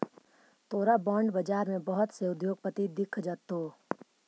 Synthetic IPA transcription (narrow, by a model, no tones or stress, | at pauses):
t̪oːɾabãːɳɖbəd͡ʒaːɾmẽbəɦʊt̪seʊd̪joːɡ̚pət̪id̪ɪkʰd͡ʒaːt̪oː